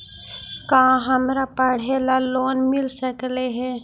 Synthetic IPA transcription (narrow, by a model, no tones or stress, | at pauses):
kãːɦəmɾapəɽ̤elaloːnmɪlsəkleɦɛː